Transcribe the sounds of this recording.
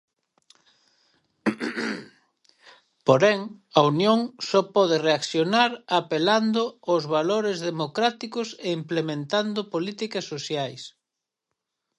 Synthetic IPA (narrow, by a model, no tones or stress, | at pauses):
poɾɛŋɐunjõŋsɔpɔðereakθjonaɾapeland̪oozβaloɾezðemokɾat̪ikʊseimplemẽnt̪and̪ʊpolit̪ikɐsːosjajs